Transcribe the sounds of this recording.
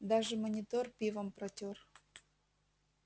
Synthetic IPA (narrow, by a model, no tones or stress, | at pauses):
d̪aʒəmonʲit̪orpʲivəmprotʲor